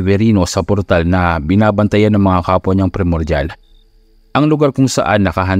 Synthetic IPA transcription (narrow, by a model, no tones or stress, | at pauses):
vɛɾiːnosɐpɔɾt̪alnɐbɪnaːbɐnt̪ɐjanːɐŋmɐŋakaːpwɐɲɐŋpɾɛmoɾdal | ʔɐŋlʊɡaɾkʊŋsɐ̰ʔanːɐkɐɦɐn